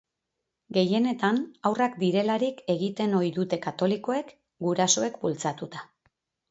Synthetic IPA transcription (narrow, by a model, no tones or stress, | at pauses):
ɡe̞je̞ne̞t̪anawrakd̪iɾe̞laɾike̞ɣit̪e̞no̞jðut̪e̞kat̪o̞liko̞e̞k | ɡuɾaso̞e̞kbult͡sat̪ut̪a